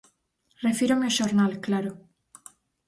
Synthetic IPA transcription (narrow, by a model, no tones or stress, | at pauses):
refiɾomeoʃoɾnalklaɾo